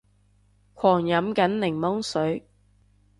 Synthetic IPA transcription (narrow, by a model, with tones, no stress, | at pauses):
kʰɔː˨˩ŋjɐ˨˥mkɐ˨˥nlɪ˨˩ŋmɔ˥ŋsɵ˨˥ɥ